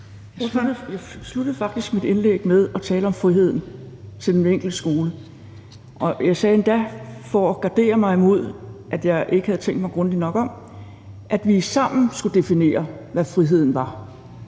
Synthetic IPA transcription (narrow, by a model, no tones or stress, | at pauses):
jjɑ̈ɪslud̥əð̞̩ˠfɑ̈ɡ̥̚d̥isɡ̥mid̥e̝nleɡ̥̚með̞ˠɒ̽t͡sʰɛːləɒ̽mfʁiɦe̝ð̰ˠn̩ | t͡sʰe̝ld̥eneŋ̰ɡ̥l̩d̥əsɡ̥o̝ːlə | ʔɒ̽jɑ̈ɪsɛːend̥æfɒɒɡ̥ɑ̈d̥e̝̰ːɐmɑ̈ɪimo̝ð̞̰ˠʔæd̥jɑ̈ɪʔe̝ɡ̥əhæðˠt͡sʰeŋ̰ɡ̥d̥mɑ̈ɪɡ̥ʁɔ̽nd̥inɒ̽ɡ̥ɒ̽m | ʔæd̥ʋisɑ̈m̰n̩sɡ̥ud̥e̝fine̝̰ːɐʋæfʁiɦe̝ð̰ˠn̩ʋɑ̈